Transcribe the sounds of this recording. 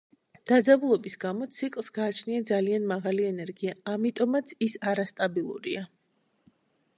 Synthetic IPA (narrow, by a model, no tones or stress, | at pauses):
d̪̥ad̪zabulˠɔbisɡamɔt̪sʰikʼlˠsɡaːt͡ʃʰniad̪zalianmaʁaliɛnɛɾɡiaːmit̪ʼɔmat̪sʰisaɾast̪ʼabilˠṵɾḭa